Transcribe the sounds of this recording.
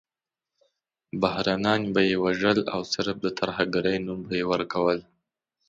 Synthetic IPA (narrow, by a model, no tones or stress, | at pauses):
bahɾɑnɑnbajewaʒəla̰wsɪɾb̚d̪ət̪aɾhaɡaɾəjnumbajewəɾkawəl